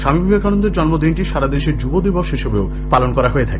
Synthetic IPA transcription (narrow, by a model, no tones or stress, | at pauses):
ʃamibʱibeɡʰʱanond̪eɾd͡ʑɔnmod̪inʈiʃaɾad̪eʃeɾd͡ʑubod̪iboʃɦeʃobeo | palonkɔɾaɦoet̪ʰake